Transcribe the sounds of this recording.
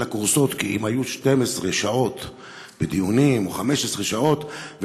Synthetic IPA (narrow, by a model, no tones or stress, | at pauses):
akuʁso̞t̪kiʔḭmhajuʃtemesʁeʃao̞t̪ | b̥ed̪ijunimoχameʃesʁeʃao̞t̪v